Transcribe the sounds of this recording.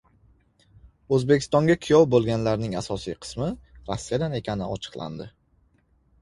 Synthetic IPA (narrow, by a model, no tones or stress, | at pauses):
ɵzbekʲʰɪst̪ɒŋɡʲakʲʰʊjɒwbolˠɡʲanlaɾnɪŋasɒsijqʰɨ̥smɪɾasːijad̪ane̞kʲʰanɪɒ̰t͡ʃʰɨ̥qlˠa̰nd̪ɪ